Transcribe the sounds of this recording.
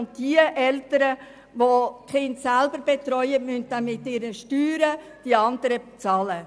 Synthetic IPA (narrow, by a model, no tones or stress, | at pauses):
ʊnt̚d̥iəʔɛltəɾə | ʋokχɪndsælbəɾb̥etɾɔʏəmynt̚damːɪtːɪɾəʃtyːɾə | d̥iɑndəɾət͡sɑːlə